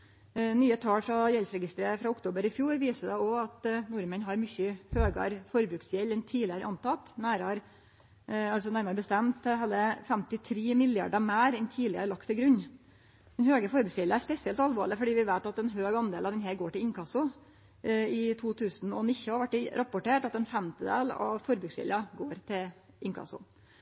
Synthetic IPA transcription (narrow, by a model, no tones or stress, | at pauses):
nyːət̪ʰɑːɽfɾɑjɛlsɾɛɡɪst̪ɾeːəfɾɑʊkt̪ʰoːbəɾɪfjuːɾʋiːsəd̪ɛɔɑt̪nʊɾmɛnɦɑɾmʏçːəhøːɡə̰ɾfɔɾbɾʉːksjɛlːɛnt̪ʰiːlɪəɾəʔɑnt̪ɑt̪næːɾɑɾ | ɑls̬ɔnæɾməɾbəst̪ɛmt̪ɦɑlːəfɛmt̪ɪt̪ʰɾeːmɪlɪɑ̰ɖəmæːɾɛnt̪ʰiːlɪə̰ɾəɭɑkt̪ʰːɪlɡɾʉɲː | d̪ɛnhøːɡəfɔɾbʉːksɪləɑæɾspɛsɪɛlt̪ɑlʋɑ̰ːɭɪfɔɖiːʋɪʋæɪt̪ɑt̪ɛnɦøːɡɑnd̪eːlɑʋd̪ɛnɦeːɡoːʈɪlɪŋkʰɑsʊ | ɪt̪ʰuːt̪ʰʉːsn̩ɔnɪçːʊhɑɾʋæʈːɪɾʔɑpʊʈeːʈɑt̪ɛnfɛmt̪ɪd̪ḛːlɑ̰ʋfɔɾbʉːksjɪ̰lɑɡoːɾt̪ʰɪl | ʔɪŋkʰɑ̰sʊ̰